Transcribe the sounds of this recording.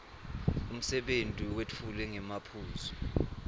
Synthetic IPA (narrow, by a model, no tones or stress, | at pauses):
um̩sɛɓentʼiwet͡fʰulɛŋɛmapʰuːzʰɔ̥